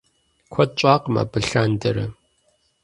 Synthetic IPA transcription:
kʷʰɔt̚t͡ʃʼaːqma̰ːbɨɬaːndɐɾɐ

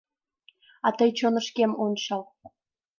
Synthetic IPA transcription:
ɑt̪ɤjt͡ɕonə̆ʃkemonʃɑl

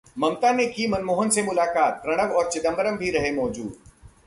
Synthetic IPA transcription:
mɐ̃mt̪anekimɐnmoːɦənsemʊlaːkaːt̪̚pɾɐɽ̃əʋɔːɾt͡ʃɪd̪ə̃mbəɾəmbʱiɾɐɦemɔːd͡ʒuːd̪

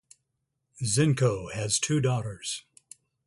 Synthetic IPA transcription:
zɪ̃nkoʊɨz̥tʰʉdɔɾə˞z̥

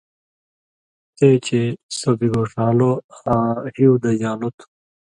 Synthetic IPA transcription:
t̪eːt͡ɕʰesɐbiɡoːʂãːlohãːhiud̪ɐjaːnut̪ʰu̥

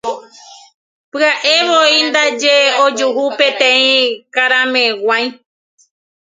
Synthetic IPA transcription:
pɨaʔe̞ʋoind̪ad͡ʒeod͡ʒuɦupẽt̪ẽĩkaɾãmẽwʷãj̃

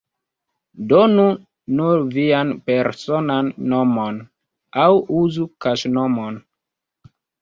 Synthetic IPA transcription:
donu | nuɾvianpeɾsonanːomon | awuzukaʃnomon

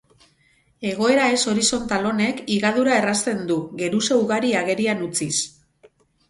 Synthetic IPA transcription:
e̞ɣo̞e̞ɾae̞so̞ɾiso̞nt̪alo̞ne̞kiɣaðuɾae̞rast̪e̞nd̪uɣe̞ɾuse̞uɣaɾiaɣe̞ɾianut͡sis

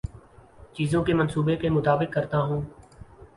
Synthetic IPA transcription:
t͡ʃiːzõkemɐnsuːbekemʊt̪aːbɪkːɐɾt̪aɦũː

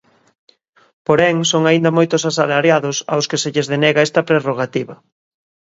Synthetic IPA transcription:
poɾɛŋsoŋaind̪ɐmojt̪ʊsasalaɾjaðʊsa̰wskeseʎezðenɛɣaɛst̪ɐpɾeroɣat̪iβɐ

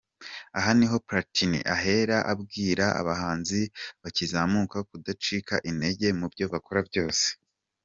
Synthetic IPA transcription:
aɦaniɦo̞pɾatinḭʔaɦe̞ɾaʔabɡiːɾaʔa̰βahaːnziβacizamukakudat͡ʃikaʔine̞ɟe̞mubɟo̞βako̞ɾabɟo̞ːse̥

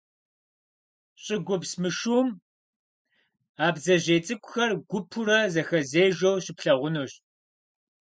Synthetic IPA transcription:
ɕʼɪɡʷʊpsmɨʃuːm | aːbzɐʑeːt͡sʼɨkʷʼʊ̥xɐrɡʷʊpʰʊɾɐzɐxɐzeːʒowɕɪpɬɐʁʷʊnuːɕ

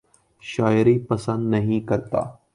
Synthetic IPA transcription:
ʃaːjɾipɐsə̃nd̪nɐɦĩkɐɾt̪a̰ː

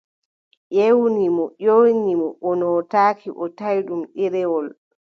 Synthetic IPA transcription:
ʔewnimɔʔonimɔʔɔnɔtaːkʰiʔɔtajɗumʔiɾɛwɔl

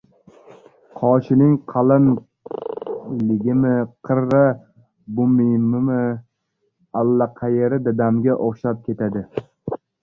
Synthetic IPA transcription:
qʰɒʃɪnɪŋqʰɑlˠɪn | lɪɡʲɪmɪqʰɨɾːa | bʊmimɪmɪ | alːaqʰɑjeɾɪd̪ad̪amɡʲaʔoχʃap̚kʲʰe̞t̪ʰad̪ɪ

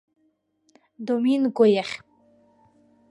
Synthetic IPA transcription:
d̪ominɡɔjɛχʲ

